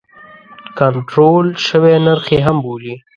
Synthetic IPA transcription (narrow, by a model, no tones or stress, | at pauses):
kaɳʈɾolʃəwenəɾxeɦɐmboːli